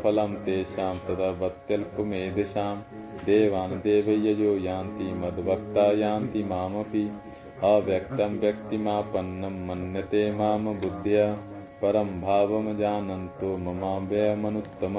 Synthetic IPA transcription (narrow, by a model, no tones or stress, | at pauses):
pʰɐlɐmt̪eːʃaːmt̪ɐt̪ʰɐʋɐt̪jɐlpumeːd̪eʃaːmd̪eːʋaːnɐd̪eːʋɐjɐjoːjaːnt̪imɐd̪ʋɐk̚t̪aːjaːnt̪imaːmɐpi | ɐʋjɐk̚t̪ɐmʋjɐk̚t̪imaːpɐnːɐmːɐnjɐt̪eːmaːmɐbud̪ʱjɐɐ | pɐɾɐmbʱaːʋɐmɐd͡ʒaːnɐnt̪oːmɐmaːbɐːɐmɐnut̪ːɐm